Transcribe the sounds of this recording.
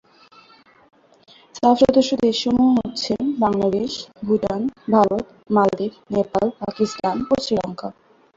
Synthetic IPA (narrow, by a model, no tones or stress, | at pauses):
safʃɔd̪oʃːod̪eʃɔmuɦotːɕʰenbaŋlad̪eʃbʱuʈanbʱaɾot̪ | mald̪iknepalpakist̪anpoɾt͡ɕɾilɔŋka